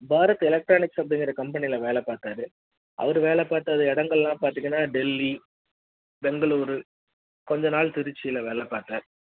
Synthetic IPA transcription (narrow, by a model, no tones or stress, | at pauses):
baːɾɐt̪ːɯɛlɛk̚ʈɾaːnɪksɐp̬ːɐɽɪŋɡɪɾɐkɐmpɛnɪlɐʋeːɭɛpaːt̪aːɾɯ | ʔɐ̰ʋɐɾɯʋeːlɛpaːɾt̪ːaːðɯɛɽɐŋɡɐɭlãːpaːɾt̪iŋɡɐnːaːɖɛlːi | bɛŋɡɐɭuːɾɯ | kɔɲd͡ʒɐnaːɭt̪ɪɾɯt͡ʃːɪjɪlɐʋeːɭɛpaːɾt̪aːɾ